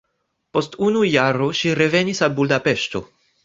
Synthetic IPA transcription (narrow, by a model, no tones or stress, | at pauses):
po̞stunujaɾoʃiɾe̞ve̞nisalbuldape̞ʃto̞̰